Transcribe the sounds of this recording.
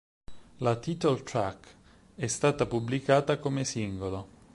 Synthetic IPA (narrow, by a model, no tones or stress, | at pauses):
lat̪iːt̪olt̪ɾa̰kː | ɛst̪aːt̪apublikaːt̪akomesiŋɡolo